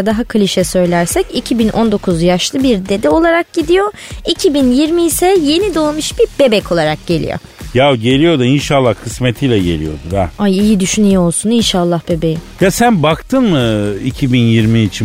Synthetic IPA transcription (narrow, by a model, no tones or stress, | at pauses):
d̪aɦakʰɯlʲiʃɛsø̞jlʲæɾsɛcicʰibinʔo̞nd̪o̞kʰuzjaʃlˠɯbiɾd̪e̞d̪io̞lˠaɾak̚ɟid̪ijo̞ | icʰibinjiɾmiisɛje̞nid̪o̞ːmuʃbiɾbe̞bɛcʰo̞lˠaɾak̚ɟ̥e̞lʲḭjo̰ | jawɟe̞lʲijo̞d̪ainʃaːlˠːahkʰɯsmet̪ʰijlʲɛɟe̞̰lʲḭjo̞̰d̪ud̪aajijid̪yʃynyjoolˠsuninʃalˠːahbe̞be̞ji | jasænbakt̪ʰɯnmɯicʰibinjiɾmiːt͡ʃʰi